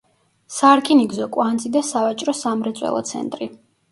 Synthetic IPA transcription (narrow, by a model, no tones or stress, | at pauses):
saɾkʼiniɡzɔkʼwand̪zʼid̪asavat͡ʃʼɾɔsamɾɛt̪sʼwɛ̰lˠɔ̰t̪sʰɛ̰nt̪ʼɾi